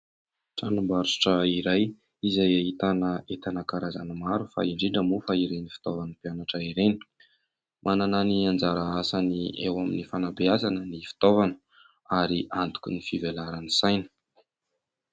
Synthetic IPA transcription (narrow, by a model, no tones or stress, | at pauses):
ʈ͡ʂanambaɾu̥ʈ͡ʂəiɾaj | izajait̪anəet̪anəkaɾaza̰nəmaɾufa̰iɳɖ͡ʐiɳɖ͡ʐəmufaiɾenifi̥t̪ovanəpianaʈ͡ʂəiɾeni̥ | mʔanananiand͡zaɾəasaniewaminifanabeazanənifi̥t̪ovanə̥ | aɾiʔant̪u̥kʲunifivelaɾanisajnə̥